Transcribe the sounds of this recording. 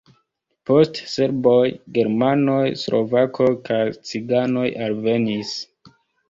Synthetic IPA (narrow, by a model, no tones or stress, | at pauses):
po̞stse̞ɾbojɡe̞ɾmano̞jslʔo̞̰vakʰo̞kajt͡siɡano̞jʔalve̞nis